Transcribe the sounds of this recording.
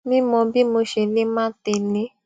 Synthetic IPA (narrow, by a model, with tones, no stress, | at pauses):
nĩ˦mɔ̃˧bi˦mo˧ʃe˨nĩ˦mãː˦ti˧nĩ˨˦